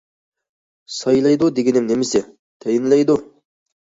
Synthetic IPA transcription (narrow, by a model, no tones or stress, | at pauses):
sɑjlˠɑjd̪ud̪eɡʲenɪmnemɪsɪ | t̪ʰæjɪnlʲɛjd̪u